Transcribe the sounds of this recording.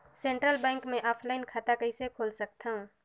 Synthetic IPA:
sẽːɳʈɾəlbɛ̃ːŋkmẽʔɔːpʰlaːɪnkʰaːt̪akɐisekʰoːlsɐk̚t̪aɦũ

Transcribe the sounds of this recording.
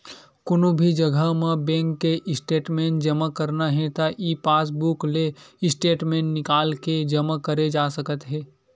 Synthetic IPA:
kʊnõbʱid͡ʒəɡʱəmẽbɛ̃ːŋkːeʔɪsʈeːʈmẽːnʈd͡ʒəmakəɾnaɦɛ̃t̪aʔiːpaːs̬bukleɪsʈeːʈmẽːnʈnɪkaːlked͡ʒəmakəɾed͡ʒaːsəkət̪ɦɛː

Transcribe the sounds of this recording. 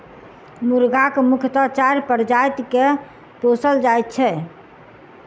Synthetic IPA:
muɾɡakmukʰt̪ət͡ʃaɾpəɾd͡ʒajt̪ke | posəld͡ʒajt̪̚t͡ʃʰɛ

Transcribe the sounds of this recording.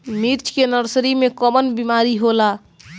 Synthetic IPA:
miɾt͡ʃʰkenəɾsɾimekəmənbimaɾiɦola

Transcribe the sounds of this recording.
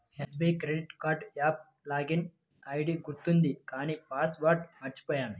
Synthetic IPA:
hesbejkɾeɖiʈkaːɾɖjaːb̚ | laːɡin | ɐjɖiɡuɾt̪ːund̪ikaːnipaːsʋaːɾʈmɐɾt͡ʃu̥pɐːjaːni

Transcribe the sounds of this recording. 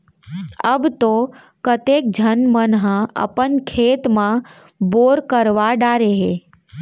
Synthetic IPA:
əbt̪o | kət̪eːk̚d͡ʒʱənmənɦə̃ə̰pənkʰeːt̪mã | boːɾkəɾʋaɖaːɾeɦeː

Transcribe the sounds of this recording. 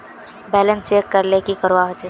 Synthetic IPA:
bɛːlənseːkːəɾlekikəɾʋaɦot͡ʃe

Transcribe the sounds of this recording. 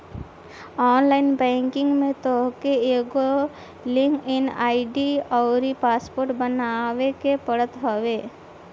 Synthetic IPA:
ɔnlainbɛ̃ŋkiŋɡmẽt̪ɔɦkeeɡo | liŋkinaiɖiɔwɾipaspoɾʈbənaʋekepəɽət̪ɦɔbe

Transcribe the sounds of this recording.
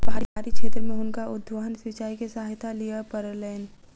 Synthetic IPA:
bʱaːɾiaːɾikʃʰeːt̪ɾəmẽʊnkaʔʊd̪ʱːʋəɦənsʋɪt͡ʃaːikesəɦaːjt̪ʰalijapəɾəlɛːn

